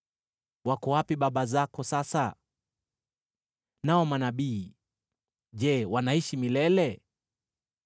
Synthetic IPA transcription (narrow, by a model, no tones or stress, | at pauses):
wakɔwapiɓaɓazakɔsasa | naɔmanaɓiː | ʄɛwanaiʃimilɛlɛ